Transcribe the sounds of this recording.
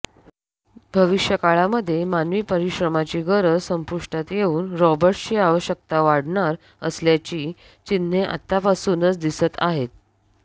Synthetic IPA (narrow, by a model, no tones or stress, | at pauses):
bʱəʋiɕjəkaɭaməd̪ʱːjemanʋiːpəɾiɕɾəmat͡ɕiːɡʱəɾəsəmpuʂʈat̪jeuːnɾɔbəɾʈɕiːaʋəɕək̚t̪aʋaɽɳaɾ | əsljat͡ɕiː | t͡ɕin̤ːeʔa̰t̪ːapasuːnət͡sd̪isət̪a̰ɦet̪̚